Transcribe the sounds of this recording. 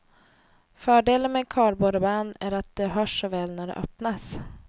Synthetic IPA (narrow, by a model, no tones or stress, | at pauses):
fœːɖeːlənmɛkʰɑːɾboːd̪əbanːæɾat̪̚d̪̥ɛɦœːʂːɔvɛːlnæɖɛ̰ʔœpnas